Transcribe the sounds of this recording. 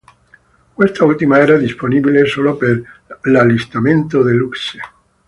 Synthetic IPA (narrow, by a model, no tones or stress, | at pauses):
kwest̪ault̪imaeɾaðisponiβlesolopeɾlalist̪amẽnt̪oðelukse